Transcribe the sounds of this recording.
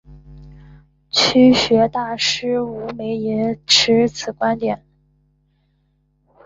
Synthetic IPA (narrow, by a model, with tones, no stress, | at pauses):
t͡ɕʰy˥ɕɥɛ˧˥t̪a˥˩ʂɻ̩˥u˧˥me˧˥ɪi˧˥nʈ͡ʂʰɻ̩˧˥t͡sʰɹ̩˨˩kwa˥nt̪jɛ˨˩˦n